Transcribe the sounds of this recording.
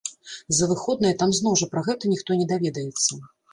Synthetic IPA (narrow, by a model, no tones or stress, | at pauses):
zɐvɨxɔd̪̚nɐjɐt̪amznɔwʐɐpɾɐɣɛt̪ɐnʲixt̪ɔnʲɛd̪avʲɛd̪ɐjɛt̪sːɐ